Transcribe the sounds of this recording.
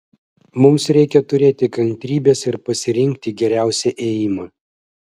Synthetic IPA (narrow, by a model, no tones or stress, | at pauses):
mʊmsɾʲɛɪkʲɛt̪ʊɾʲeːt̪ʲɪkɐŋʲt̪ʲɾʲiːbʲeːsɪɾpɐsʲɪɾʲɪŋʲk̚ʲt̪ʲɪɡʲɛɾʲæˑʊsʲɛʔeːjɪmɐː